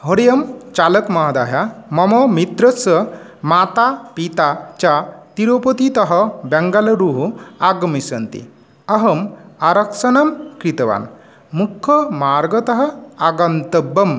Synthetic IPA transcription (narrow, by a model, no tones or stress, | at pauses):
ɦoɾijɐmt͡ʃaləkmɐɦad̪aːjamɐmɔmit̪ɾəsə | mat̪apit̪at͡ʃat̪iɾopot̪it̪ɐɦɐbɛŋɡalɐɾuɦuaɡɐmisɐnt̪ḭ | ɐɦɐmaɾɐksɐnamkɾit̪ɐʋa̰n | mukʰːɔmaɾɡɐt̪ɐɦɐaɡɐnt̪ɐbːɐm